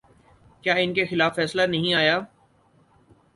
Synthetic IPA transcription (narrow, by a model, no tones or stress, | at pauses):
kjaːɪnkexɪlaːfːɛːslanɐɦĩaːjaː